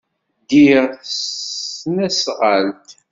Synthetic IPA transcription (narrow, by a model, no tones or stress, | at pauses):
d̪iɾ | næsʁəlt̪